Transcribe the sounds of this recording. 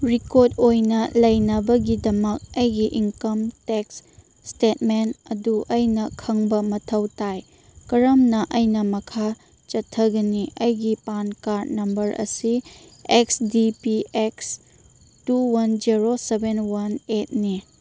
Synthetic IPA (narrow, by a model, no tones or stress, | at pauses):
ɾikoɾdojnɐlɐjnɐbɐɡidɐmɐk̚ɐjɡiʔiŋkɐmteksː | tetmenɐduʔɐjnɐkʰɐŋbɐmɐtʰɐwtaj | kɐɾɐmnɐʔɐjnɐmɐkʰa | t͡ʃɐtʰːɐɡɐniɐjɡipankaɾnɐmbɐɾʔɐ̰si | eksdipieks | tuwɐnd͡ʒiɾosebenwɐnet̚ni